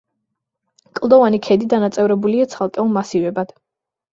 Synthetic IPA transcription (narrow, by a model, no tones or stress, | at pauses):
kʼlˠd̪ɔvanikʰɛd̪id̪anat̪sʼɛvɾɛbuliat̪sʰalˠkʼɛulˠmasivɛbad̪̥